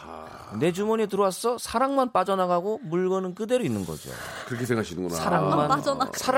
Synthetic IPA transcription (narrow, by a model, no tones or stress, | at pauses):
ne̞d͡ʑumoɲitɯɾwas͈ʌsʰaɾaŋmanp͈ad͡ʑʌnaɡaɡomuɭɡʌnɯnkɯde̞ɾoinːɯnɡʌ̰d͡ʑo̰kɯɾʌkʰesʰeŋɡaɕʰinɯŋɡunasaɾaŋmannsʰa